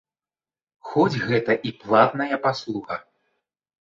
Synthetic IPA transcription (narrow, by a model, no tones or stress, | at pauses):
xɔd͡zʲɣɛt̪ɐʔiplˠat̪nɐjɐpaslˠuɣɐ